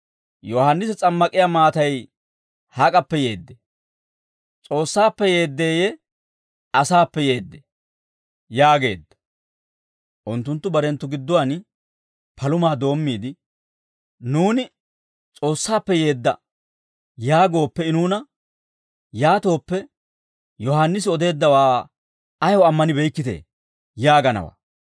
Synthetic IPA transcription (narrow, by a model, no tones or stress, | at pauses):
jɔhɐnːɪsɛt͡sʼɐmːɐkʼɪjamaːt̪ɐj | hakʼɐpːɛje̞ːd̪ːɛ | t͡sʼo̞ːsːaːpːɛje̞ːd̪ːe̞ːjɛ | ɐsaːpːɛje̞ːd̪ːɛ | jaːɡe̞̰ːd̪ːɐ̥ | ʔʊnt̪ːʊnt̪ːʊbɐɾɛnt̪ːʊɡɪd̪ːɔwan | pɐlʊmaːd̪o̞ːmːiːd̪ɪ | nuːnɪ | t͡sʼo̞ːsːaːpːɛje̞ːd̪ːɐ̰ | jaːɡo̞ːpːɛɪnuːnɐ | jaːt̪o̞ːpːɛ | jɔhanːɪsɪɔd̪e̞ːd̪ːɐwaː | ɐjɔɐmːɐnɪbɛjkːɪt̪ḛː | jaːɡɐnɐ̰wa̰ː